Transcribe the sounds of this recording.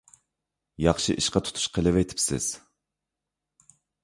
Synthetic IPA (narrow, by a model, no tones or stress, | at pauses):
jɑχʃiʔiʃqɑt̪ʰu̥t̪ʰu̥ʃqʰəlˠɪvɛt̪ʰɪ̥psɪ̰z̥